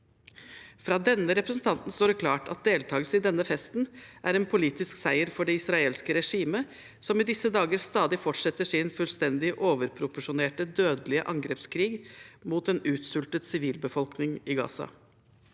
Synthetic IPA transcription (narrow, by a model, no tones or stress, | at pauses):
fɾɑːd̪ɛnːəɾɛpɾəsn̩t̪ʰɑnt̪n̩st̪oːɖəkʰlɑːʈɑ̰t̪̚d̪eːlt̪ʰɑːɡəsəɪd̪ɛnːəfɛst̪nʔæɾɛnpʰʊliːt̪ɪsksæɪəɾfɔɖɛɪsɾɑeːlskəɾɛʂiːmə | sɔmɪd̪ɪsːəd̪ɑːɡəɾst̪ɑːd̪ɪfɔʈʂɛt̪ːəʂɪnfʉlst̪ɛnd̪ɪʔoːʋəɾpʰɾʊpʊʂʊneːʈəd̪øːd̪əlɪəʔɑŋɡɾeːpskʰɾiːɡmuːt̪ɛnʉːt̪sʉlt̪ət̪sɪʋiːlbəfɔlknɪŋɪɡɑ̰ːsɑ̰